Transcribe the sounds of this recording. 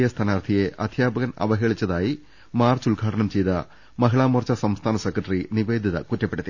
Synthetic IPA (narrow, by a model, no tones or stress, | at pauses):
jɐst̪ʰɐnaːrt̪ʰijeʔɐd̪ʱjaːbɐɣɐnɐ̰ʋɐɦeːɭit͡ɕːɐðaːji | maːrt͡ɕuɭɡʱaːʈɐɳɐmt͡ɕe̞jt̪ɐ | mɐɦiɭaːmuːrt͡ɕːɐsɐmst̪ʰaːnɐsekrɐʈːriniʋeːd̪ʱiðɐ̰kutːɐpːeɽut̪ːi